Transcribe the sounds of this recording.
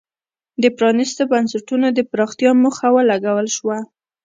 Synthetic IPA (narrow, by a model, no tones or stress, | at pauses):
d̪əpɾɑnist̪obansaʈunod̪əpɾɑxt̪ijɑmʊxawalaɡawəlʃwa